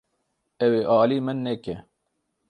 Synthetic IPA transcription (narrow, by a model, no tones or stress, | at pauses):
ɛweːʔɑːliːmɨnːɛkɛ